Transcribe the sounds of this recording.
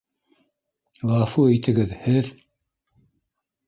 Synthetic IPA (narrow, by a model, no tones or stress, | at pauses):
lɑfuejt̪ɘ̆ɡɘðhɘð